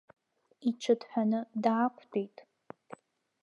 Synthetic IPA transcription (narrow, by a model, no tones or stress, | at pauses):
it͡ʃʷʰɨdħʷᶣanɨdaːkʷʰʼdʰejtʼ